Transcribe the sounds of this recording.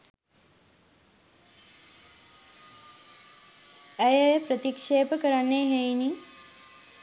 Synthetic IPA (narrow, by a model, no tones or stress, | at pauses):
əjəpɾət̪ikʂeːpəkəɾanːeɦejni